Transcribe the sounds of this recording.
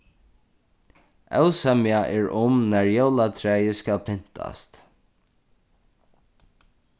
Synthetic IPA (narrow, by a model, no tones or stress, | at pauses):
ɛ̰wsɛmjaʔɛɹʊmnæɹjɛwlat̪ʰɹɛːjəskalpʰɪn̥t̪ʰa̰st̪